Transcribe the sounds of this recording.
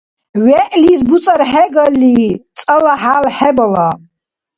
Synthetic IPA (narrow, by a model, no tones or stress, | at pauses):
ɥɛʔlisbut͡sʼaɾħɛɡəlːit͡sʼɐlaħalħɛbɔla